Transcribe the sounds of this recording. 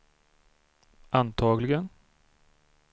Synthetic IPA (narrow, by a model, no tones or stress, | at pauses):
ant̪ʰɑːɡlɪɡən